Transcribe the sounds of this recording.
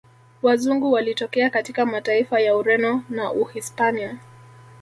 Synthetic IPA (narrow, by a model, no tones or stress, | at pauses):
wazuŋɡuwalitɔkɛakatikamataifajauɾɛnɔnaʔuhispania